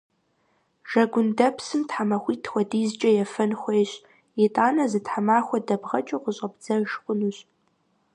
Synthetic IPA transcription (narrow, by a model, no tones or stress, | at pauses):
ʒ̥ɐɡʷʊndɐpʰsɨmtħamɐxʷiːtʰxʷɔdiːzt͡ʃʼɐjɛfɐnxʷeːɕ | jɛtʼaːnɐzɨtħamaːxʷɔdɐbʁɐt͡ʃʼɐqəɕʼɐbd͡zɐʒqʷʼʊnuɕʼ